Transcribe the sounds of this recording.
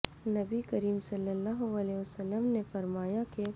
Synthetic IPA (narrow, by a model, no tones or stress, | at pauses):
nɐbikəɾiːmsɐlːəlːaːɦʊəlɛʊsəlːəmnefɐɾmaːjake